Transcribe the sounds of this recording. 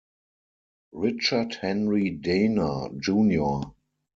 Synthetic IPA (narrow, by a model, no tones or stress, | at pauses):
ɹɪt͡ʃəthɛ̃nɹidẽɪnə˞d͡ʒũːnjo